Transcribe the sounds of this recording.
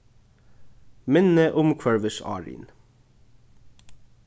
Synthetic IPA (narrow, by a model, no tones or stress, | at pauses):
mɪnəʔʊmkʰʋɛɹʋəsɑ̰ːɹḭn